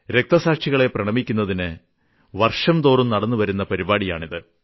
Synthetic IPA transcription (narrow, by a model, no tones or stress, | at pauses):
ɾe̞k̚t̪ɐsaːkʂiɣɐɭe̞prɐɳɐmikʲːunːɐðinɨ | ʋɐrʂɐmt̪o̞ːrumnɐɽɐnːuʋɐɾunːɐpɐɾibaːɽijaːɳiðɨ